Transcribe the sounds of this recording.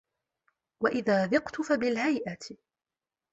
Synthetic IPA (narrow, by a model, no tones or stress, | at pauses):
waʔɪðaːðɪqt̪ʊfabɪlhajʔat̪